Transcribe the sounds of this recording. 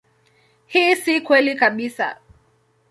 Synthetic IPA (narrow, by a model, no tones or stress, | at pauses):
hiːsikwɛlikaɓisa̰